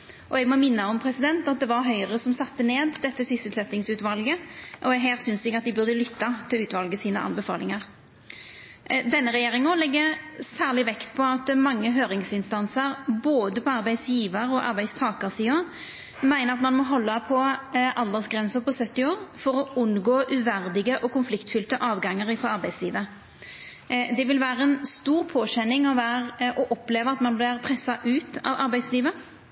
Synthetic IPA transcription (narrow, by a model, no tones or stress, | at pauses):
ʔɔɛɡmɔmɪnːəɔmpʰɾɛsɪd̪ɛnt̪ɑt̪̚d̪ɛʋɑɾɦœʏʁəsɔmsɑt̪ːəneːd̪d̪ɛt̪ːəsʏsəlsɛt̪ɪŋsʉːt̪ʋɑlɡəʔɔɛɡɦæːʁsʏnsɛɡɑt̪̚d̪ɪbʉʁd̪əlʏt̪ːɑt̪ʰɪlʉːt̪ʋɑlɡəsiːnəʔɑ̰nbəfɑ̰ːlɪŋɑʁ | d̪ɛnːəɾɛjeːʁɪŋolɛɡːəsæːʁlɪʋɛkt̪pʰɔɑt̪mɑŋːəɦøːɾɪŋsɪnst̪ɑnsəɾboːd̪əpʰɔɑʁbæɪsjiːʋəɾɔʔɑ̰ɾbæɪst̪ʰɑːkəʁsiːʊ | mæɪnəʁɑt̪mɑnmɔɦɔlːəpʰɔʔɑld̪əsɡʁɛnsəʁpʰɔsœt̪ːɪoːʁfɔɾɔʔʉnɡoːʔʉʋæʁd̪ɪɡəʔɔkʰʊnflɪkt̪fʏlt̪əʔɑːʋɡɑŋːəʁɪfɾɑɑʁbæɪsliːʋə | d̪ɛʋɪlʋæːʁəɛnst̪uːʁpʰoːɕɛnːɪŋɑʋʋæːʁʔɔʔɔpleːʋəɑt̪mɑnblɪʁpʰʁɛsːɑʔʉːt̪ɑ̰ːʋɑɾbæɪsliːʋə